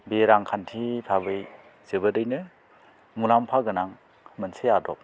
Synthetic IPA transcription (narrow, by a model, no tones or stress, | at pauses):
beɾaŋkʰantʰipʰabɯj | zebɯdɯjnɯ | mulampʰaɡɯnaŋ | mɯnsʰejadɔp̚